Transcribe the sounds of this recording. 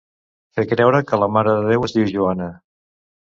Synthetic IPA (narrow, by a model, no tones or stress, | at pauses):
fekɾɛwɾəkələmaɾəðəðewəzðiwʒuanə